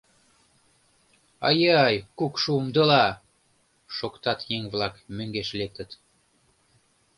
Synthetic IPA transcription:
ɑjɑjkukʃumd̪ɤlɑ | ʃokt̪ɑt̪jeŋβlɑkmøŋɡeʃlek̚t̪ə̆t̪

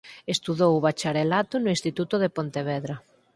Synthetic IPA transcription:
est̪uðowβat͡ʃaɾelat̪ʊnʊĩnst̪it̪ut̪ʊðepont̪eβɛðɾa

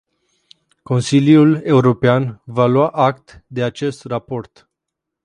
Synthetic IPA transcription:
ko̞nsiljule̞uɾo̞peanvaluaʔak̚t̪d̪e̞at͡ʃe̞st̪rapo̞rt̪

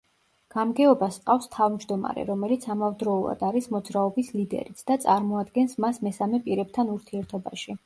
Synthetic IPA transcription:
ɡ̥amɡɛɔbasqʼafst̪ʰavmd͡ʒd̪ɔma̰ɾɛ̰ɾɔmɛlit̪sʰamavd̪ɾɔulˠa̰d̪aɾismɔd̪zɾaɔbislid̪ɛ̰ɾit̪sʰd̪̥at̪sʼaɾmɔad̪ɡɛnsmasmɛsamɛpʼiɾɛb̚t̪ʰanuɾt̪ʰiɛɾt̪ʰɔba̰ʃi

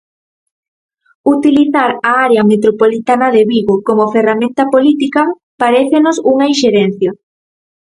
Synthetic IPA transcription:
ut̪iliθaɾaaɾeɐmet̪ɾopolit̪anɐðeβiɣokomoferamẽnt̪ɐpolit̪ikɐ | paɾeθenosuŋɐiʃeɾen̟θjɐ

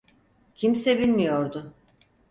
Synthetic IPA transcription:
cʰimsɛbilʲmijo̞ɾd̪ʊ

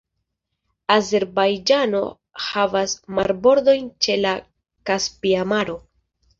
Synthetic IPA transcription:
aze̞ɾbajd͡ʒano̞̰ | havasmaɾbo̞ɾd̪o̞jnt͡ʃe̞la | kaspiamaɾo̞

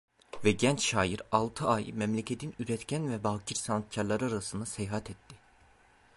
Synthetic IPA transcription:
vɛɟɛnt͡ʃʃaːjiɾalˠt̪ʰɯajmɛmlʲɛcʰet̪ʰinyɾɛt̪cʰænvɛbaɦcʰiɾsanat̪̚cʰaɾlˠaɾɯaɾasɯnd̪asɛjɦat̪ʰɛt̪ʰːɪ

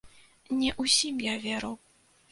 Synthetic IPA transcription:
nʲɛʔusʲimjavʲɛɾɐw

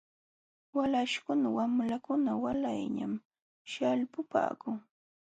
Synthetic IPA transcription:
walaʃkʊnawamlakʊnawalajɲa̰m | ʃalpʊpa̰ːkʊŋ

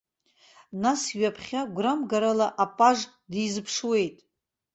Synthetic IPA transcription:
nasɥapʰχʲaɡʷramɡaɾalaʔapʼaʐ | dizɨpʰʂwe̞jtʼ

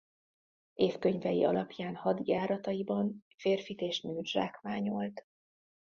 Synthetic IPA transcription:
eːfkø̞ɲvɛjḭʔɒ̰lɒpjaːnhɒd̪jaːɾɒt̪ɒjibɒnfeːrfit̪eːʃmyːʒra̰ːkʋaːɲo̞lt̪

